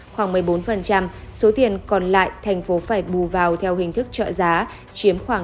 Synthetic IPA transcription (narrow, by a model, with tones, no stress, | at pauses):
xwaː˧˩ŋmɨ˨˩əjɓo˨˦nfə˨˩nt͡ɕa˧mso˨˦t̪i˨˩ənkɔ˨˩nla̰ː˧˨jt̪ʰɛ˨˩jŋ̟fo˨˦faː˧˩jɓu˨˩vaː˨˩wt̪ʰɛ˧wɦï˨˩ŋ̟t̪ʰɨ˦˥k̚t͡ɕə̰ː˧˨zaː˨˦ | t͡ɕi˨˦əmxwaː˧˩